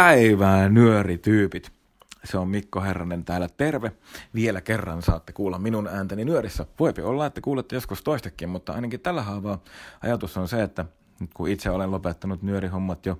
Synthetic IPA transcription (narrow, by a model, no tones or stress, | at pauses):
pæiʋæːnyørit̪yːpit̪ | seommikːoherːɑnent̪æːlːæt̪erʋe | ʋielækerːɑnsɑːt̪ːe̥kuːlːɑmminunæːnt̪æninyøɾisːæʋoipiolːɑːet̪ːækuːlːet̪ːejoskust̪oist̪ɑkːimmut̪ːɑɑ̰inɑkitt̪ælːæhɑːʋɑːʔɑ̰jɑt̪usːonseet̪ːæ | nyt̪kuit̪seolenlopet̪ːɑnut̪nyøɾiɦomːɑt̪jo